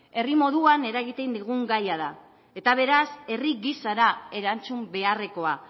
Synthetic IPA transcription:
e̞rimo̞ðuane̞ɾaɣit̪e̞nd̪iɣ̞uŋɡajaða | e̞t̪aβ̞e̞ɾase̞riɣisaɾae̞ɾant͡sumbe̞are̞ko̞a

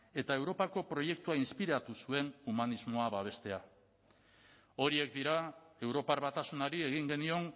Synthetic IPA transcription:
e̞t̪ae̞wɾo̞pako̞pɾo̞je̞k̚t̪uainspiɾat̪usue̞numanizmo̞aβaβ̞e̞st̪e̞a | o̞ɾie̞k̚d̪iɾae̞wɾo̞paɾβat̪asunaɾie̞ɣiŋɡe̞nio̞ŋ

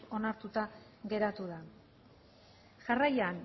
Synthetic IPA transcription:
o̞naɾt̪ut̪a | ɣe̞ɾat̪uða | ʝarajan

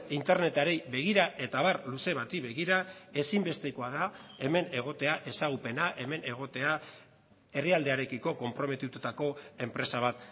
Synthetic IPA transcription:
int̪e̞ɾne̞t̪aɾe̞jβe̞ɣ̞iɾaʔe̞t̪aβaɾluse̞βat̪iβe̞ɣiɾae̞simbe̞st̪eko̞aðae̞me̞ne̞ɣ̞o̞t̪e̞aʔe̞saɣ̞upe̞naʔe̞me̞ne̞ɣ̞o̞t̪e̞a | e̞riald̪e̞aɾe̞kiko̞ko̞mpɾo̞me̞t̪ut̪ut̪ako̞e̞mpɾe̞saβ̞at̪

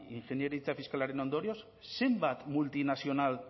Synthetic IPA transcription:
iŋxenjeɾit͡safiskalaɾeno̞nd̪o̞ɾjo̞s | se̞mbat̪mult̪inasio̞nal

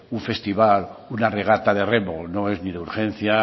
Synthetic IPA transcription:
uɱfe̞st̪iβalunare̞ɣ̞at̪að̞e̞re̞mono̞e̞zniðeuɾxe̞n̟θja

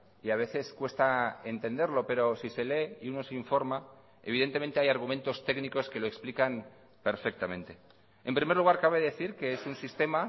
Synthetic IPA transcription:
iaβ̞e̞θe̞skwe̞st̪ae̞nt̪e̞nd̪e̞ɾlo̞pe̞ɾo̞sise̞le̞iuno̞seiɱfo̞ɾma | eβ̞iðe̞nt̪e̞ment̪eajaɾɣ̞ume̞nt̪o̞st̪e̞kniko̞ske̞loeksplikam | pe̞ɾfe̞k̚t̪amẽ̞nt̪e̞ | empɾime̞ɾluɣ̞aɾkaβ̞e̞ðe̞θiɾke̞esunsist̪e̞ma

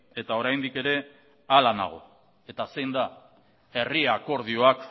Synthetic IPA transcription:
e̞t̪ao̞ɾajnd̪ike̞ɾe̞ | alana̰ɣ̞o̞̰ | e̞t̪asejnd̪a | e̞riako̞ɾðio̞ak

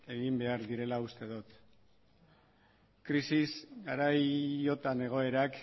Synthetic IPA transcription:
e̞ɣimbe̞aɾðiɾe̞laust̪e̞ðut̪ | kɾisisɡaɾajo̞t̪ane̞ɣ̞o̞e̞ɾak

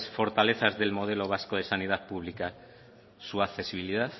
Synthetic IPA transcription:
sfoɾt̪aleθazðelmoð̞eloβ̞askoð̞esanið̞aðpuβ̞lika | suaθe̞siβ̞iliðaθ

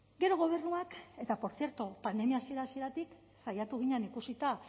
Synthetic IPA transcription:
ɡe̞ɾo̞ɣ̞o̞β̞e̞ɾnuake̞t̪apo̞ɾθje̞ɾt̪opand̪e̞miasie̞ɾasie̞ɾat̪ik | sajat̪uɣ̞iɲenikusit̪a

